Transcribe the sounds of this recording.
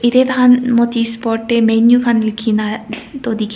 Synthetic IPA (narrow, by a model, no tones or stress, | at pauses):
id̪et̪ɐanmot̪ispɔːʈːemenjupʰɐnilkʰinat̪od̪ik